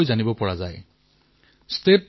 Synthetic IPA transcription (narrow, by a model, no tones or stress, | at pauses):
jd͡ʒanibɔpɔɹad͡ʒaj | st̪ep̚